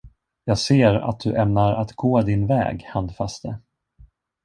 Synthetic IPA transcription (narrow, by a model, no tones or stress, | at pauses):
jɑːɡseːɾa̰t̪̚d̪ɵʔɛmnaɾat̪ɡoːd̪ɪnvɛ̰ːɡhand̪fast̪ə